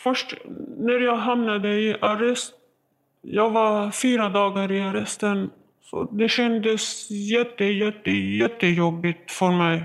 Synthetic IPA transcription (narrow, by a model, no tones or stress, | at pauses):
fœʂʈnæɾjɑɡɦamnad̪əɪʔaɾɛst̪̚ | jɑːɡvaɾfyːɾad̪ɑːɡaɾɪaɾɛst̪ən | sɔ̰d̪ɛɕɛnd̪əsjɛt̪ːəjɛt̪ːəjɛt̪ːəjɔbːɪt̪fœɾmɛj